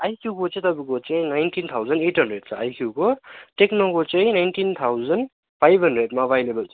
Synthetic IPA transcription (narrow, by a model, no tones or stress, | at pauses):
ajkʰuwɡɔt͡ʃet̪abiɡɔt͡ʃejnajntʰint̪ʰawzɐnethɐndɾed̚saajkʰukɔteknɔɡɔt͡ʃejnajntint̪ʰawzɐn | pʰajbʱɦɐndɾed̚mabajlebɐlse